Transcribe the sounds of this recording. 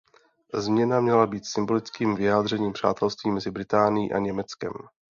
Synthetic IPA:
zmɲɛnamɲɛlabiːt̪sɪmbo̞lɪt͡skiːmvɪjaːd̪r̝ɛɲiːmpr̝̥a̰ːt̪ʰɛlst̪viːmɛzɪbɾɪt̪aːnɪjḭːʔa̰ɲɛmɛt͡skɛ̰m

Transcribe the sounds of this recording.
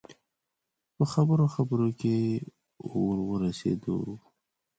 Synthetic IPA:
pəxabəɾoxabəɾoke | wəɾwəɾasḛd̪o̰

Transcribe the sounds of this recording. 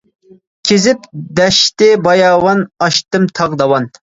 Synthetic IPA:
kʲʰezɪpd̪ɛʃt̪ɪbɑjɑːwɑnɑʃt̪ɨmt̪ʰɑʁd̪ɑwɑn

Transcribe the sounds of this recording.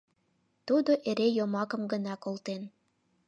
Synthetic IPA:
t̪ud̪oʔeɾejomɑkə̆mɡənɑkolt̪en

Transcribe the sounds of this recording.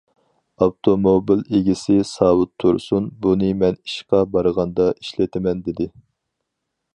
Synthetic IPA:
ɑwt̪ʰomobileɡʲisɪsɑːwut̪ʰːuɾsunbunɨmɛni̥ʃqɑbɑɾəʁɑnd̪ɑiʃlɪt̪ʰɪmɛnd̪ɪd̪ɪ

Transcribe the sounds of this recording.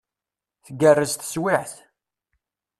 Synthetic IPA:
θəɡərːəzt̪ə̥swiʕθ

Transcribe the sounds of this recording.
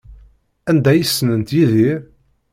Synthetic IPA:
ænd̪æjəsːnənt̪jiðiɾ

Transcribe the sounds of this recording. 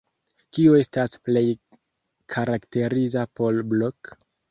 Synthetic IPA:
kioe̞stasple̞j | kʰaɾakte̞ɾizapo̞lblok

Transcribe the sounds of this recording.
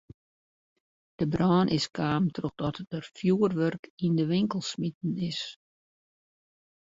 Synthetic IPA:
d̥əbrɔːnʔɪskaːmtroxd̥ɔtəərfjuːərʋørkindəʋɪŋkəlˠsmit̚n̩ɪs

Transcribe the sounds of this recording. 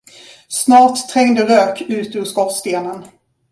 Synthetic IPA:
snɑːʈt̪ʰːɾɛŋd̪əɾøːkʉ̟ːt̪əʉːskɔtst̪eːnən

